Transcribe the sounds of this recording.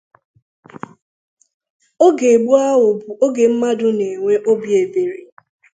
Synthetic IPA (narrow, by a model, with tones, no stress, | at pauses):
o˦ɡe˨ɡ͡bu˦a˦ɦʊ˨bu˨o˦ɡe˨m̩˦ma˦dʊ˦ne˨ŋʷe˦ʔo˦bje˨be˨ɾi˨